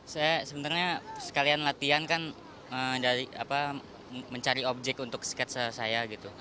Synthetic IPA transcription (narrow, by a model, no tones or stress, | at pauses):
sajasəbənt̪arɲasə̥kalianlat̪iankan | əːdaɾia̰pa | məɲt͡ʃaɾiob̚d͡ʒɛk̚t̪unt̪ʊk̚si̥kɛt̪̚səsajaɡit̪u